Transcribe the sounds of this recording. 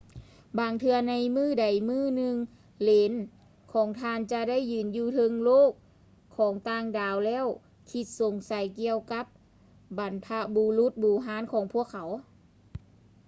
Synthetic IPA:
baː˨˧ŋt̪ʰɯ˧ɐna˧jmɯː˥˩da˨˩jmɯː˥˩nɯ˧ŋ | leː˨˦n | kʰɔː˨˩˦ŋt̪ʰaː˧nt͡ɕa˧da˥˨jːɯː˨˧˩njuː˧˩t̪ʰɤ˧ŋloː˥˩kʰː | ɔː˩˦ŋt̪aː˧ŋdaː˨˩wlɛː˧˥˨w | kʰi˧t̪̚so˨˩˦ŋsa˨˦jki˧əwka˧˦˥p̚ | ba˨˦npʰa˧buː˧lu˧˦˥t̪̚buː˨˩ɦaː˧˥˨nkʰɔː˨˦ŋpʰu˥˩əkʰːa˨˦w

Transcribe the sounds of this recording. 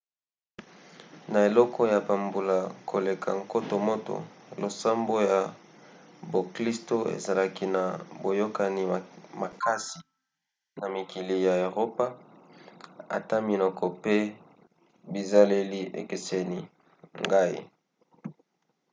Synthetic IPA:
na˨e˨lɔ˦kʰɔ˦ja˨ba˨mbu˨la˨kʰo˨le˨kʰa̰˨ŋko˦to˨mo˦to̰˨lo˨sa˦mbo˦ja˨ | bo˨kli˦sto˦ḛ˨za˨la˦ki˦na˨bo˨jo˦ka˨ni˨ma˨kʰa˦si˨ | na˨mi˨ki˨li˨ja˨e˨ʁo˦pa˦ | a̰˨ta˦mi˨nɔ˨kʰɔ˨pe˦ | bi˨za˦le˦li˦ʔḛ˨ke˨se˨ni˨ | ŋɡa˦ḭ˦

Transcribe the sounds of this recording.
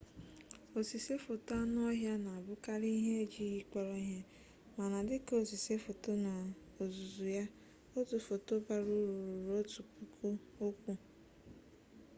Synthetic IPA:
o˨si˨se˦fo˨ta˦n˦ɔ˦ɦja˦na˨a˨bʊ˦ka˦ɾi˦ɦe˦e˦d͡ʒi˦ɣi˦k͡pɔ˦ɾɔ˦ɦe˦ | ma˨na˨dɪ˦ko˨si˨se˦fo˨to˦na˨ | o˨zu˨zu˨ja˦ | o˦tu˨fo˨to˦ba˦ɾu˦ɾu˨ɾu˨ɾo˦tu˨pu˦kʰu˦o˦kʷu˦

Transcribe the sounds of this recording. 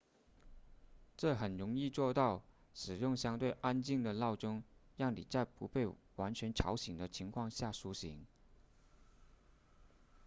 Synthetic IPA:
ʈ͡ʂɤ˥˩xə˨˩nɻʊ˧˥ŋi˥˧t͡swɔ˥˧t̪ɑ˥˩ʊʂɻ̩˨˩jʊ˥˩ŋɕjɑ˥ŋt̪we˥˩ɪʔa˥nt͡ɕi˥˩ŋd̪ə˩lɑ˥˩ʊʈ͡ʂʊ˥ŋjɑ˥˩ŋnḭ˨˩t͡sa˥˩ɪpṵ˧˥pe˥˩ɪ | wa˧˥nt͡ɕʰɥɛ˧˥nʈ͡ʂʰɑ̰˧˥ʊɕi˨˩ŋd̪ə˦t͡ɕʰi˧˥ŋkʰwɑ˥˧ŋɕja˥˩ʂu˧˥ɕi˧˥ŋ

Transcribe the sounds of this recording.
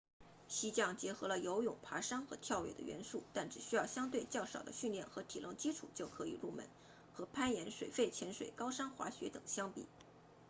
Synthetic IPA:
ɕi˥t͡ɕjɑ˥˩ŋt͡ɕjɛ˧˥xɤ˧˥lə˧jo˧˥ʊjʊ˨˩ŋpʰa˧˥ʂɑ˥ŋxɤ̰˧˥t̪ʰjɑ˥˧ʊɥjɛ̰˥˩d̪ə̰ɥɛ̰˧˥nʂu˥˩t̪a˥˩nʈ͡ʂɻ̩˨˩ɕy˥jɑ˥˩ʊɕjɑ˥ŋt̪we˥˧ɪt͡ɕjɑ˥˩ʊʂɑ̰˨˩ʊd̪ə̰˦ɕy˥˧nljɛ˥˩nxɤ˧˥t̪ʰi˨˩lɤ̰˥˩ŋt͡ɕi˥ʈ͡ʂʰṵ˨˩˦t͡ɕjo˥˩ʊkʰɤ˧˥i˨˩lu˥˩mə̰˧˩n | xɤ˧˥pʰa˥njɛ˧˥nʂwe˨˩ɪfe˥˩ɪt͡ɕʰjɛ˧˥nʂwe˨˩ɪkɑ˥ʊʂɑ˥ŋxwa̰˧˥ɕɥɛ˧˥t̪ɤ˨˩ŋɕjɑ˥ŋpḭ˨˩˦

